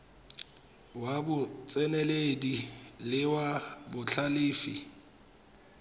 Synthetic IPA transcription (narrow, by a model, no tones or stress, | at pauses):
wabʊt͡sʼɛnɛledilɪwabʊt͡ɬʰaliːfi